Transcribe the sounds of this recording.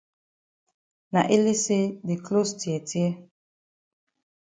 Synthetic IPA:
na˨ʔe˦le˦se˦de˨kʰlo˦sti˨ɛ˨tjɛ˦

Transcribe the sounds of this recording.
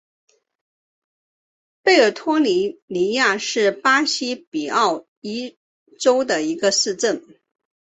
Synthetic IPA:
pe˥˩ɪə˞˨˩t̪ʰwɔ˥li˧˥ni˧˥ja˥˧ʂɻ̩˥˩pa˥ɕi˥pi˨˩ɑ˥˩ʊ | i˥ | ʈ͡ʂo˥ʊd̪ə˨i˧˥ɡə˧ʂɻ̩˥˧ʈ͡ʂə˥˩ŋ

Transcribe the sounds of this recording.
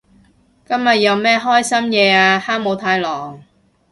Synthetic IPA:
kɐ˥mjɐ˨t̚jɐ˨˧wmɛː˥ɦɔː˥jsɐ˥mjɛː˨˧aː˧haː˥ŋ̚mo˨˧wt̪ʰaː˧jlɔː˨˩ŋ

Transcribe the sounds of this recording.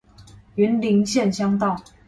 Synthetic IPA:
y˨˥nli˧˥ŋɕjɛ˥˨nɕjɑ˥ŋt̪ɑ˥˨ʊ

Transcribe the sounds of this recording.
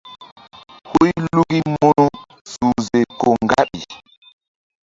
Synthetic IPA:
hu˦jlu˦ɡi˦mɔ˦nu˦ | su˨ze˨ko˨ŋɡa˦ɓi˨

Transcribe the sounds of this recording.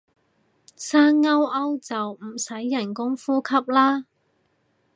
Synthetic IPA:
saː˥ŋːɐ˥wɐ˥wt͡sɐ˨wm̩˨˩sɐ˨˥jːɐ˨˩nkʊ˥ŋfuː˥kʰɐ˥p̚laː˥

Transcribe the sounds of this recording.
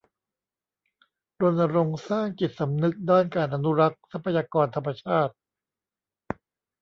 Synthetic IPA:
ɾo˧nːa˧ɾo˧ŋsaː˥˩ŋt͡ɕi˨˩t̪̚sa˩˦mnɯ˦˥k̚daː˥˩nkaː˧nʔa˧nu˦˥ɾa˦˥k̚sa˦˥pʰːa˧jaː˧kɔː˧nt̪ʰa˧mːa˧t͡ɕʰaː˥˩t̪̚

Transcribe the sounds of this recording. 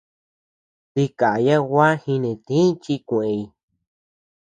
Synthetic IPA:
t̪i˧ka˨ja˦wa˦hĩ˧nĩ˧t̪ĩ˦t͡ʃi˦˧kʷẽ˧˨ẽ˧i˧

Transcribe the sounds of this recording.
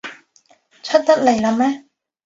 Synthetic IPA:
t͡ɕʰɵ˦˥t̪̚t̪ɐ˥t̚le˨˩jla˨˧˥mɛ˦˥

